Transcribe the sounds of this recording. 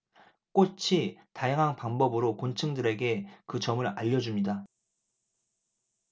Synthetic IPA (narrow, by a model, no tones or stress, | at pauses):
k͈ot͡ɕʰitajaŋɦanpaŋbʌbɯɾokont͡ɕʰɯŋdɯɾe̞ɡe̞kɯt͡ɕʌmɯɾaʎːʌd͡ʑumɲida